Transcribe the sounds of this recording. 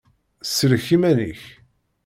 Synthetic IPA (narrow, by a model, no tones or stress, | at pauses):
səɾçimæniç